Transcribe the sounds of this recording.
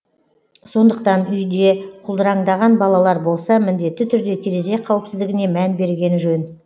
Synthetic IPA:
so̞nd̪əq̚t̪ɑnʏjd̪e̞qʰʊlˠd̪əɾɑŋd̪ɑʁɑnbɑlˠɑlˠɑɾbo̞lˠsɑmɪnd̪e̞t̪ːɪt̪ʰʏɾd̪e̞t̪ʰeɾe̞ze̞qʰɑwəpsɪzd̪ɪɡʲɪne̞mænbe̞ɾɡʲe̞nʒɵn

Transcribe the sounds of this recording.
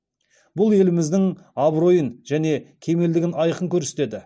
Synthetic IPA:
bʊlˠe̞lɪmɪzd̪ɪŋɑbɾo̞jənʒæne̞kʲʰe̞me̞ld̪ɪɡʲɪnɑjəqəŋkʲʰɵɾse̥t̪e̞d̪ɪ

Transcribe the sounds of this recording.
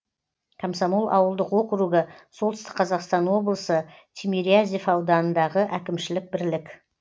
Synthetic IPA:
kʰamsamulˠʔɑ̰wəlˠd̪əqwo̞qɾuɡəsolˠt̪ɪst̪ɪ̥qqʰɑzɑqst̪ɑnwo̞blˠəsət̪ʲʰemʲiɾiazʲifɑwd̪ɑnənd̪ɑʁəʔækʲɪmʃɪlɪk̚bɪɾlɪkʲ

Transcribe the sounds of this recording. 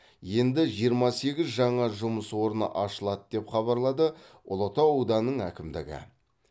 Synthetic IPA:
je̞nd̪ɪʒijəɾmɑse̞ɡʲɪzʒɑɴɑʒʊməswo̞ɾənə̰ʔɑʃəlˠɑt̪d̪̥e̞pχɑβɑɾlˠɑd̪ə | ʊlˠot̪ɑwud̪ɑnːəɴækʲɪmd̪ɪ̰ɡʲɪ̰

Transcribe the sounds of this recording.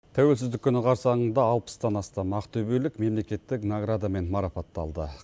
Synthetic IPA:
t̪ʰæwe̞lsɪzd̪ɪkʲʰʏnɪqʰɑɾsɑnəɴd̪ɑːlˠpə̥sd̪ɑnɑst̪ɑmɑqt̪ʰɵbe̞lɪkme̞mle̞kʲe̞t̪ːɪknaɡɾad̪ame̞nmɑɾɑpɑt̪ːɑ̰lˠd̪ə̰

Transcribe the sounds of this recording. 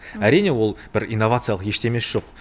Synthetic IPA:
æɾijne̞wo̞lˠb̥ɪɾijnːo̞vat̪sɨjalˠəqje̞ʃt̪e̞me̞sʒ̥o̞q

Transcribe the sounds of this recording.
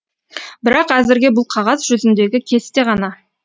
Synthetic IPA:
bɪɾɑqæzɪɾɡʲe̞bʊlˠqʰɑʁɑzʒʏzɪnd̪e̞ɡʲɪkʲʰe̞st̪e̞ʁɑnɑ

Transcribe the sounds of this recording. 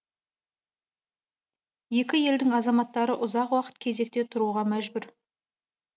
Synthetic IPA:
je̞kʲɪje̞ld̪ɪŋɑzɑmɑt̪ːɑɾəʔʊzɑqwɑqə̥t̪̚kʲʰe̞ze̞k̚t̪e̞t̪ʰʊɾuʁɑmæʒbʏɾ

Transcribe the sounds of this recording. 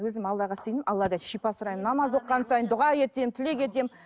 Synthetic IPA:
wɵzɪmɑlˠːɑʁɑsəjnəmʔɑlˠːɑd̪ɑʃijpɑsəɾɑjənːɑmɑzwo̞qːɑnsɑjənd̪ʊʁɑje̞t̪e̞mt̪ʰɪle̞kʲʰe̞t̪̬e̞m

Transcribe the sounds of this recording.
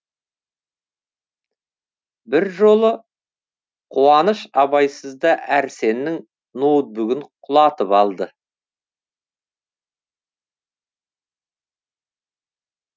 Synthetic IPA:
bɪɾʒo̞lˠə | qʰuwɑnəʃɑbɑjsəzd̪ɑʔæɾse̞nːɪŋ | nowt̪̚bʏɡʲɪɴqʰʊlˠɑt̪əpɑlˠd̪ə

